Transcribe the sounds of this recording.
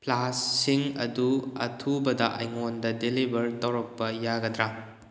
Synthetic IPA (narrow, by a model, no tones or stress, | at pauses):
plasːiŋɐduɐtʰubɐdɐʔɐ̰jŋondɐdelibʱɐɾtɐwɾɐk̚pɐjaɡɐdɾa